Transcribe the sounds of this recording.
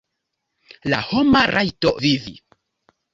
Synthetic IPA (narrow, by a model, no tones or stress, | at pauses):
la̰homaɾʔajtovivḭ